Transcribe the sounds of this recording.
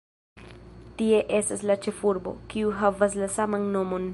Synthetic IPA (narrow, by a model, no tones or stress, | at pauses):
tie̞ʔe̞staslat͡ʃe̞fuɾbo̞̰kiuɦavas̬lasamanno̞mo̞n